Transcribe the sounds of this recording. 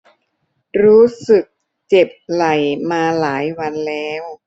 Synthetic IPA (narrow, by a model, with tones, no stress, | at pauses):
ɾuː˦˥sɯ˨˩k̚ | t͡ɕe˨˩p̚la˨˩jmaː˧laː˩˦jwa˧nlɛː˦˥w